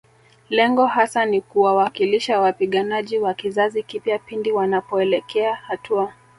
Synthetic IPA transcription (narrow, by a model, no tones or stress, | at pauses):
lɛŋɡɔɦasanikuwawakiliʃawapiɠanaʄiwakizazikipjapindiwanapɔɛlɛkʰɛahatua